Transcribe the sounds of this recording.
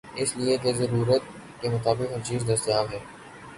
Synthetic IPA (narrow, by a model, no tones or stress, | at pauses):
ɪslied̪ezɐɾuːɾət̪ | kemʊt̪aːbɪqɦʊt͡ʃiːzd̪ɐst̪ɪjaːmɦɛː